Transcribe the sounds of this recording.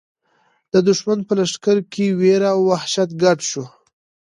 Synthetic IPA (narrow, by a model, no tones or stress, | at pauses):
d̪̥əd̪ʊʃmanpəlaʂkaɾkʰeweɾawːahʃat̪ɡaʈʃu